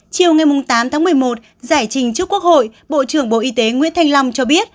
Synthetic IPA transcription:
t͡ɕi˨˩əwŋa˨˩jmʊ˨˩ŋ͡mt̪aː˨˦mt̪ʰaː˨˦ŋmɨ˨˩əjmo˨˩t̚ | zaː˧˩jt͡ɕï˨˩ŋ̟t͡ɕɨ˦˥əkːu˦˥ək̚ho̰˧˨jɓo̰˧˨t͡ɕɨ˧˩əŋɓo̰˧˨ʔi˧t̪e˨˦ŋwḭ˧˥ənt̪ʰa˧jŋ̟lɔ˧wŋ͡mt͡ɕɔ˧ɓi˦˥ət̚

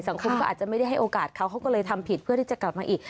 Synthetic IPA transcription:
sa˩˦ŋkʰo˧mkɔː˥ʔa̰ː˨˩t̪̚t͡ɕa˨˩ma˥˩jda˥˩jɦa˥˩jʔoː˧kaː˨˩t̪̚kʰa˦˥˩wkʰa˦˥wkɔː˥˩lɤː˧jt̪ʰa˧mpʰi˨˩t̪̚pʰɯ˥˩ət̪ʰiː˥˩t͡ɕa˨˩kla˨˩p̚maː˧ʔiː˨˩k

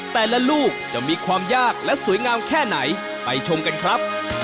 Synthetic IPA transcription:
t̪ɛː˨˩la˦˥luː˥˩k̚t͡ɕa˨˩miː˧kʰwaː˧mjaː˥˩k̚lɛ˦˥su˨˩˦jŋaː˧mkʰɛː˥˩na˩˦j | pa˧jt͡ɕʰo˧mka˧nkʰɾa˦˥p̚

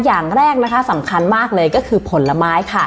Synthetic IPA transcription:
jaː˨˩ŋɾɛː˥˩k̚na˦˥kʰa˦˥sa˩˦mkʰa˧nmaː˥˩k̚lɤː˧jkɔː˥˩kʰɯː˧pʰo˨˩˦nla˧maː˦˥jkʰa˥˩

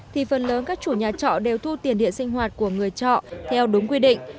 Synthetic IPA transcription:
t̪ʰi˨˩fə˨˩nləː˨˦nkaː˦˥k̚t͡ɕu˧˩ɲaː˨˩t͡ɕɔ̰˧˨ɗe˨˩wt̪ʰu˧t̪i˨˩ənɗḭ˧˨ənsï˧ŋ̟ɦwaː˨˩t̚ku˧˩əŋɨ˨˩əjt͡ɕɔ̰˧˨ʔt̪ʰɛ˧wɗʊ˨˦ŋ͡mkwi˧ɗḭ̈˧˨ŋ̟

